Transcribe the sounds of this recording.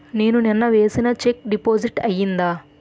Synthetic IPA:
neːnuninːɐʋe̞ːsinɐt͡ʃek̚ɖipoːd͡ʒiʈɐjːind̪aː

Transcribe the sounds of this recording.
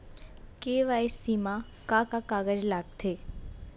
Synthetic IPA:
keːʋaːesiːma | kakakaːɡəd͡ʒlaːɡ̚t̪ʰeː

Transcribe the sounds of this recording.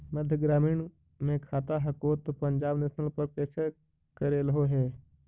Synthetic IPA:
məd̪ʱjəɡɾaːmiːɳ | mẽkʰaːt̪aɦɐkoːt̪opə̃ɲd͡ʒaːbneːʃnəlpəɾpɛːt͡ʃʰ | kəɾeːlɦoɦɛː

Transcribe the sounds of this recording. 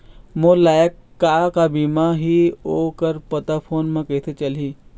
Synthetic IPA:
molaːjəkːaːkabiːmaɦioːkəɾpɐt̪apʰoːnmẽkeːset͡ʃɐliː

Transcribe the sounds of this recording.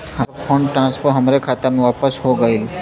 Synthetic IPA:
hapʰoɳɖʈɾãnspʰoɾɦəmɾekʰat̪amiːʋapəsɦoɡəil

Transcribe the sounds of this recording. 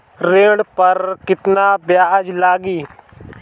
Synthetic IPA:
ɾẽːɽpəɾkɪt̪naːbjaːd͡ʒlaːɡiː

